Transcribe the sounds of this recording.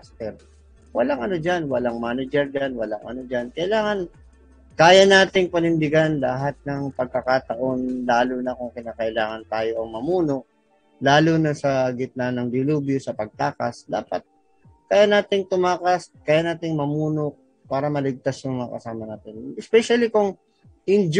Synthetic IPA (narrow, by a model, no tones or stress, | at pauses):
ast̪ɛɾ | wɐlaŋʔɐnod͡ʒanwɐlaŋmaːnɐd͡ʒɛɾd͡ʒanwɐlaŋʔɐ̰nod͡ʒankɐʔɪlaːŋɐn | kaːjɐnaːt̪ɪŋpɐnɪnd̪ɪɡanlɐɦat̪̚nɐŋpɐɡ̚kɐkat̪ɐʔo̞nlaːlunɐkʊŋkɪnaːkɐʔɪlaːŋɐnt̪aːjo̞ʔɐŋmɐmuːno̞ʔ̚ | laːlʊnɐsɐɡɪt̪̚nanɐŋd̪ɪluːbjosɐpɐɡ̚t̪aːkɐ̰sd̪a̰ːpɐt̪̚ | kaːjanaːt̪ɪŋt̪ʊmaːkɐskaːjanaːt̪ɪŋmɐmuːno̞ʔ̚ | paːɾɐmɐlɪɡ̚t̪asjʊŋmɐŋa̰kɐ̰saːmɐnaːt̪ɪnɛspɛʃɐlikʊŋ | ʔɪnd͡ʒ